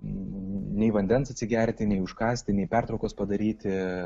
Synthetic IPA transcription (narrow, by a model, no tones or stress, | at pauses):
nʲɛɪʋɐnʲd̪ʲɛnsɐt̪ʲsʲɪɡʲæɾʲt̪ʲɪnʲɛɪʊʃkɑːsʲt̪ʲɪnʲɛɪpʲæɾt̪ɾɔʊkoːspɐd̪ɐɾʲiːt̪ʲɪ